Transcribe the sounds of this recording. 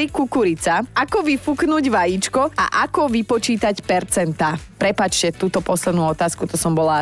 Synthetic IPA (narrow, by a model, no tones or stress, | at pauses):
ɾikukuɾit͡saakɔʋifuknuːɟʋajit͡ʃkɔa̰ʔakɔʋipɔt͡ʃiːt̪acpɛɾt͡sɛnt̪aːpɾɛpaːt͡ʃcɛt̪uːt̪ɔpɔslɛd̪nuːɔt̪aːskut̪ɔsɔmbɔla